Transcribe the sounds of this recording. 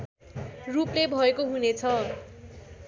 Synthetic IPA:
ruplebʱʌekoɦunet͡sʰʌ

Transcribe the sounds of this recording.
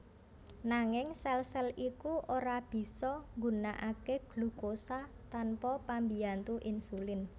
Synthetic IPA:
naŋɪŋsɛlsɛlikuʔoɾab̥i̤sɔŋɡunaʔakeɡ̥lṳkosat̪anpɔpambiant̪uʔɪnsulɪn

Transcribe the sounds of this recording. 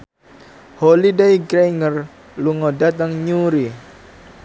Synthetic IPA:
holidejɡɾeŋər | luŋɔdat̪aŋɲuɾi

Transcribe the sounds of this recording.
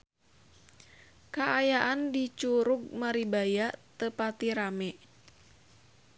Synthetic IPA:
kaʔajaʔandit͡ʃuɾuɡ̚maɾibajat̪əpat̪iɾamɛʔ

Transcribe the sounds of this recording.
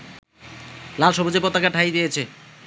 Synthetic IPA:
lalʃobod͡ʑepot̪ːakaɾʈʰajd̪ijet͡ɕʰe

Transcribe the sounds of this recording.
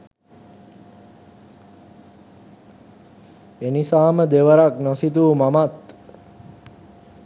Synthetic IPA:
enisaːməd̪eʋəɾaknosit̪̬uːmamat̪

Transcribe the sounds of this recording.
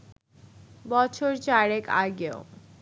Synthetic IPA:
bɔt͡ɕʰoɾt͡ɕaɾekaɡeo

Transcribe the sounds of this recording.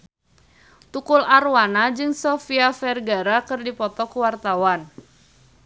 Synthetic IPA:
t̪ukularuwanad͡ʒɨŋsɔfiafɛrɡaɾakɨrdipɔt̪ɔkuwart̪awan

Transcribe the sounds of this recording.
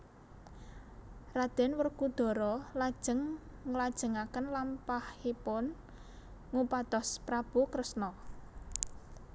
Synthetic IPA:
rad̪̥ɛ̤nwərkud̪̥ɔ̤ɾɔlad̥ʒ̥ə̤ŋŋəlad̥ʒ̥ə̤ŋakənlampahhipʊn | ŋupad̪̥ɔspɾab̥ukɾəsnɔ

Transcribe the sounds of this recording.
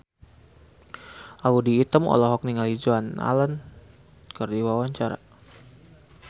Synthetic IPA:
ʔaudiːt̪əmɔ̰lɔɦɔk̚niŋalid͡ʒuana̰lən | kərdiwawaɲt͡ʃaɾa̰

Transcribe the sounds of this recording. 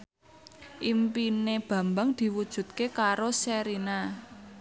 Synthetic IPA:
ʔimpineb̥ä̤mbaŋd̪̥i̤wud̥ʒ̥ṳt̪̚kekaɾosɛɾina

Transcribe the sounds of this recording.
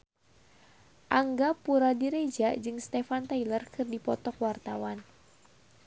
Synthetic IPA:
ʔaŋɡapuɾadiɾed͡ʒad͡ʒɨŋst̪efant̪ajlərkʰɨrdipɔt̪ɔkwart̪awan

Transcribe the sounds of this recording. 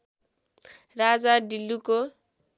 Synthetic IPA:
rad͡zaɖilːuko

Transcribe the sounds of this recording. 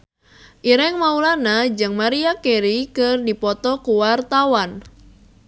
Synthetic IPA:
ʔiɾɛŋmaulanad͡ʒɨŋmaɾiakeɾikɨrdipɔt̪ɔkuwart̪awan

